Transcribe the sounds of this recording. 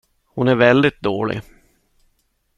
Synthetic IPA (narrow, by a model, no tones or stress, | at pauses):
hʊnæɾvɛld̪ɪt̪̚d̪oːɭɪ̰